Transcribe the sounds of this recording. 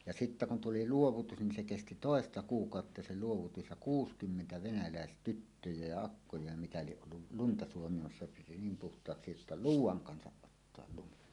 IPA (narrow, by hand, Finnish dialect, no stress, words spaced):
jɑ sitːæ kun tuli luoʋutus nin se kesti toˑestɑ kuːkɑˑotːɑ se luoʋutus jɑ kuːskymːentæ ʋenælæestytːøjæ jɑ ɑkːojɑ jɑ mitæ lieʔ ʔolːu luntɑ suomimɑsːɑ piti niːm puhtˑɑːksi jotːɑ luːwˑɑŋ kɑnsɑʔ ʔotːoɑl lumi